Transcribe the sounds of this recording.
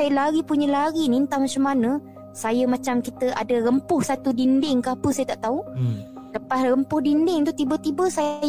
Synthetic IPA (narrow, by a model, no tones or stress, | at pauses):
ajəlaɾipuɲəlaɾinint̪amat͡ʃamːanə | sajəmat͡ʃamkit̪əʔadəɾəmpʊhsat̪udindɪŋkapəsajət̪aʔt̪au | ləpasɾəmpʊhdindɪŋt̪ut̪ibət̪ibəsa